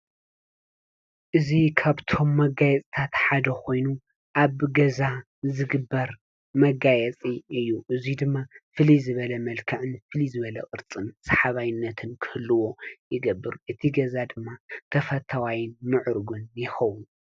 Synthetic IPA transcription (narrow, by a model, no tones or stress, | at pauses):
ʔɨzikʰaβt̪ʰo̞mːɐɡajɛt͡sʼt̪ʰat̪ħad̪ɐkʰo̞jnu | ʔaβɡɐza | zɨɡɨbːɐɾ | mɐɡajɛt͡sʼiɨjːuʔɨzid̪ɨmːafɨlizɨβɐlɐmɐlkʰɐʕɨnfɨlizɨβɐlɐʔʼɨɾt͡sʼɨnsɐħaβajɪnːɐt̪ʰɨnkʰɨ̥hɨlːɨwo̞jɪɡɐbːɨɾʔɨt̪ʰiɡɐzad̪ɨmːat̪ʰɐfɐt̪ʰawajɪnmɨʕɨɾɡunjɪxɐwu